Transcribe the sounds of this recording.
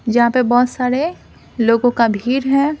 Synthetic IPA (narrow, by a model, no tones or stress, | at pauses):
d͡ʒɐɦãpebɔɦʊt̪saːɾe | loːɡõkabʱiːɾɦɛː